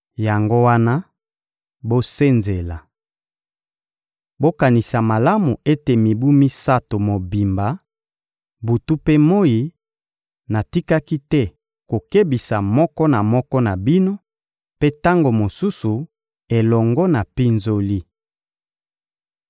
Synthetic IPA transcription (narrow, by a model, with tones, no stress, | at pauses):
ja˨ŋɡo˦wa˦na˦ | bo˦se˦nze˨la˨ | bo˦ka˨ni˨sa˨ma˨la˦mu˨ʔe˦te˨mi˨bu˦mi˦sa˦to˨mo˨bi˨mba˨˦ | bu˨tu˦pe˦mo˦ji˨ | na˨ti˦ka˦ki˦tɛ˦ | ko˨ke˦bi˨sa˨mɔ˦kɔ˦na˨mɔ˦kɔ˦na˨bi˦no˦ | pe˦ta˦ŋɡo˨mo˨su˦su˨ | e˨lɔ˨ŋɡɔ˦na˨pi˦nzo˦li˦